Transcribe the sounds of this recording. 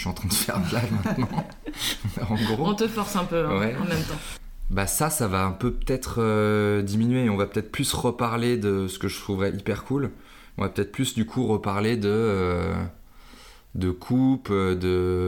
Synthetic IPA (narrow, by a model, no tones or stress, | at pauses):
ʃyɑ̃t̪χɛ̃nd̪əfɛʁlaʒmɛ̃t̪nɑ̃ | ɑ̃ɡʁoɔ̃t̪əfɔʁsɛ̃pøɛ̃wɛɑ̃mɛmt̪ɑ̃ | basasavaɛ̃pøpə̥t̪ɛt̪χød̪iminɥeːɔ̃vapət̪ɛt̪χplysʁəpaʁled̪əsə̥kəʒət̪χuvʁɛʔipɛʁkʰul | ɔ̃vapø̥t̪ɛt̪χplysd̪ykʰuʁəpaʁled̪ə | d̪əkʰupd̪ə